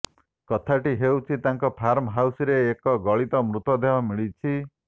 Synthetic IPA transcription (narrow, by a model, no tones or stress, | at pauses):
kɔt̪ʰaʈiɦewt͡ʃʰit̪aŋkɔpʰaɾmɦawsiɾeːkɔɡɔɭit̪ɔmɾut̪ɔd̪eɦɔmiɭit͡ʃʰi